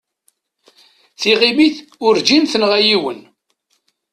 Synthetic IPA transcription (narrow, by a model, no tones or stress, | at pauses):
θiʁimiθʊɾd͡ʒinθənʁæjiwən